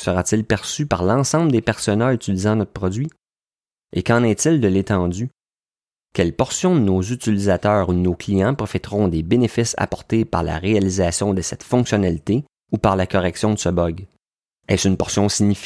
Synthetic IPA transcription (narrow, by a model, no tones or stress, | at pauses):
səʁatt͡sɪlpɛʁsypaʁlɑ̃sɑ̃ːbləd̪epɛʁsɔnayt͡silizɑ̃nɔt̪̚χə̥pʁɔd͡zɥi | ekɑ̃nɛt͡sɪld̪əlet̪ɑ̃d͡z̪y | kʲɛlpɔʁsjɔ̃d̪ənozyt͡silizat̪œːʁud̪ənoklijɑ̃pʁɔfɛt̪ʁɔ̃d̪ebenefɪsa̰pɔʁt̪epa̰ʁla̰ʁealizasjɔ̃d̪əsɛt̪fɔ̃ksjɔnalit̪e | upaʁlakɔʁɛksjɔ̃d̪əsəbɔɡ | ɛ̰synpɔʁsjɔ̃siɲif